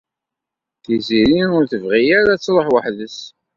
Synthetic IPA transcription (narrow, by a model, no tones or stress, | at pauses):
θiziɾinʊɾθəvʁijaɾæt͡sːlˤəħwəħðəs